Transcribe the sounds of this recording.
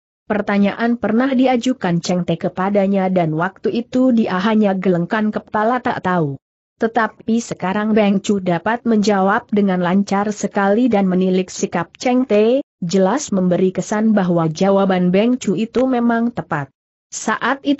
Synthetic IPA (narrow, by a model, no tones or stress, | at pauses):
pərt̪aɲaʔanpərnahdiad͡ʒukant͡ʃɛŋt̪ekəpadaɲadanwak̚t̪uʔit̪udiʔaɦaɲaɡələŋkankəpt̪alat̪a̰ʔt̪au | t̪ːət̪ap̚isəkaɾaŋbɛŋt͡ʃudapat̪̚məɲd͡ʒawap̚dəŋanlaɲt͡ʃarsəkalidanmənilɪk̚sikap̚t͡ʃɛŋt̪e | d͡ʒəlasməmbəɾikəsanbaɦwad͡ʒawabanbɛŋt͡ʃuit̪umemaŋt̪əpat̪̚ | saʔat̪it̪